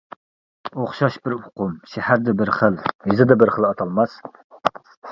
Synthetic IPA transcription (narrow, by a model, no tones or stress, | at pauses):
oχʃɑʃbɪɾʊqumʃɛhæɾd̪ɛbɪɾχəlhɪzɪd̪ɛbɪɾχəlˠɑt̪ʰɑlˠmɑs